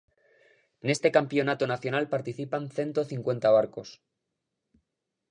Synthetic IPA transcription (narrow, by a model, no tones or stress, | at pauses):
ene̞st̪e̞kampjonat̪onaθjo̞nalpaɾt̪iθipanθje̞nt̪oθiŋkwe̞nt̪aβ̞aɾko̞s